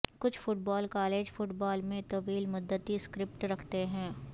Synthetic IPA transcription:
kʊt͡ʃʰfʊʈ̚baːlkaːleːd͡ʒfʊʈbaːlmẽt̪ɐʋiːlmʊd̪ːət̪iskɾɪp̚ʈɾɐkʰt̪eɦɛ̃ː

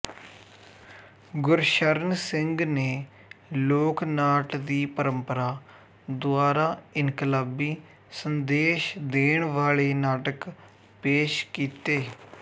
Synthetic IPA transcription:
ɡʊɾʃəɾnsɪŋɡneː | loːknaːʈd̪iːpəɾəmpəɾaː | d̪ʊaːɾaːɪnkələbiː | sənd̪eːʃd̪eːɳ̃ʋaːɭeːnaːʈək | peːʃkiːt̪eː

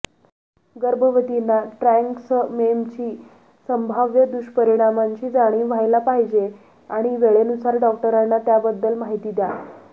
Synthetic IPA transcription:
ɡəɾbʱəʋət̪inaʈɾɛŋksmemt͡ɕiː | səmbʱaʋjəd̪uɕpəɾiɽ̃amaɲt͡ɕiːd͡zaɽ̃iːʋajlapaɦid͡ʑe | aɽ̃iʋeɭenusaɾɖɔk̚ʈəɾanːat̪jabəd̪ːəlmaɦit̪iːd̪ja

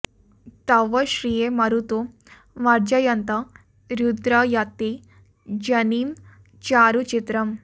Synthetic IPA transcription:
t̪ɐʋɐʃɾijemɐɾut̪u | ʋɐɾd͡ʒɐjɐnt̪ɐ | ɾjud̪ɾɐjɐt̪i | d͡ʒɐniːm | t͡ʃaːɾut͡ʃit̪ɾɐm

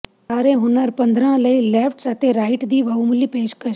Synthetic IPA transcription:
aːɾẽɦʊnəɾpɐ̃nd̪ɾãləilepʰʈsat̪ʰeɾaːɪʈd̪iːbʱɐumulipeːʃkɐ

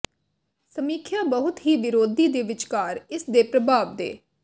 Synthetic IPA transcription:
səmiːkʰjãːbəɦʊt̪ɦiːʋɪɾoːd̪iːd̪eːʋɪt͡ʃkaːɾɪsd̪eːpɾəbʱaːʋd̪ḛː

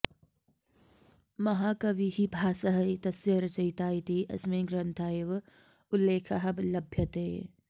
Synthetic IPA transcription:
mɐɦaːkɐʋiɦibʱaːsɐɦɐit̪ɐsɐɾt͡ʃɐit̪aːit̪iʔɐ̰smẽːɡɾɐnt̪ʰaːeʋ | ʊlːeːkʰɐɦɐblɐbʱjɐt̪eː

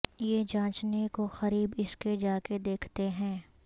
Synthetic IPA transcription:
jed͡ʒãːt͡ʃnekoxɐɾiːbɪsked͡ʒaːked̪eːkʰt̪eɦɛ̃ː

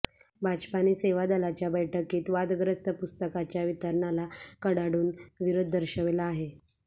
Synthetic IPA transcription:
bʱad͡ʑpaniːseʋad̪alat͡ɕjabəjʈʰəkiːt̪ʋad̪ɡɾəst̪əpust̪əkat͡ɕjaʋit̪əɾɳalakəɽaɽuːnʋiɾod̪̚ːəɾɕəʋelaːɦe

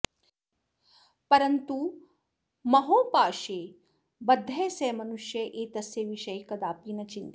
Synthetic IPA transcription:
pɐɾɐnt̪u | mɐɦoːpaːʃeː | bɐd̪ʱːɐːseːmɐnuʃjɐʔeːt̪ɐsjeʋiʃɐjkɐd̪aːpiːnɐt͡ʃint̪

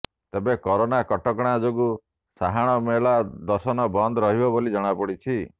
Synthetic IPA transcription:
t̪ebekɔɾonakɔʈɔkɽ̃ad͡ʒoɡu | saɦaɽ̃ɔmelad̪ɔsɔnɔbɔnd̪ɔɾɔɦibɔbolid͡ʒɔɽ̃apɔɽit͡ʃʰi

